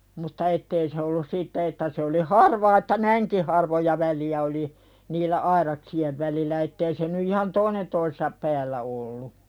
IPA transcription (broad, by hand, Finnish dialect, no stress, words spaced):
mutːɑ etːei se olːus siːtːæ etːæ se oli hɑrʋɑː etːæ næiŋki hɑrʋojɑ ʋæliæ oli niːlːæ ɑirɑksieʋ ʋælilːæ etːei se ny ihɑn toinen toisesɑp pæːlːæ olːu